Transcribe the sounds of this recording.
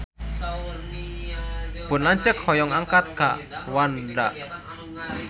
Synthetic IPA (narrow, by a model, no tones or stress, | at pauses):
b̥ʊnlaɲt͡ʃək̚hɔjɔŋaŋkat̪̚ka̰ʔwanɖaʔ